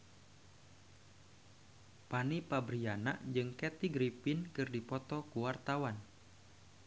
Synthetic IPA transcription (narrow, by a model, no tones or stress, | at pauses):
panipabɾiana̰ʔd͡ʒɨŋkɛt̪iɡɾipinkɨrdipɔt̪ɔkuwart̪awan